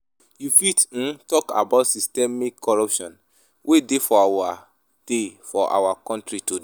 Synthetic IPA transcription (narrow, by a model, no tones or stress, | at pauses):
jufit̩tɔka̰baʊtsistɛmikʰːɔɹɔpʃɔ̃n | wʔedefɔawa | d̥efɔʔa̰wakɔ̃ntɹitod